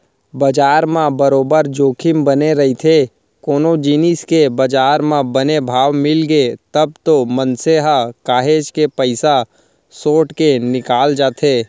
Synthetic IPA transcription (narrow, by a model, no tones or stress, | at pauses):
bɐd͡ʒaːɾmãbəɾoːbəɾd͡ʒoːkʰɪmbɐneɾɐɦit̪ʰe | koːnod͡ʒiːniskebɐd͡ʒaːɾmãbɐnebʱaːʋmɪlɡet̪əb̚t̪omənseɦakaːɦeːd͡ʒkepəɪsa | soːʈkenɪkaːld͡ʒaːt̪ʰeː